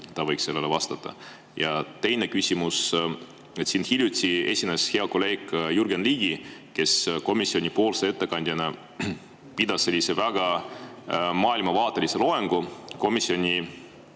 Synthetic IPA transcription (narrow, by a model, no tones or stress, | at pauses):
t̪ɑvɤ̞jkse̞lːelevɑst̪ɑt̪ˑːɑ̰ | jɑt̪e̞jne̞kysʲimus | et̪sinhilʲjut̪ʲie̞sʲineshe̞ɑko̞le̞ːkːjurɡenliːɡ̥ike̞sko̞misːio̞nʲipo̞ːlsee̞t̪ːe̞kɑnʲd̪̥ʲjɑnɑ | pid̪̥ɑsːe̞lʲːise̞væɡ̥ɑ | mɑːilmɑvɑːt̪ːˑe̞lise̞lo̞eŋɡ̥uko̞misːio̞nʲi